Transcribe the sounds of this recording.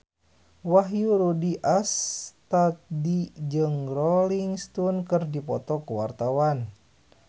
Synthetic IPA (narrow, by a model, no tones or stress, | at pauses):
waɦjuɾudiʔast̪at̪̚did͡ʒɨŋrɔliŋst̪unkɨrdipɔt̪ɔkuwart̪awan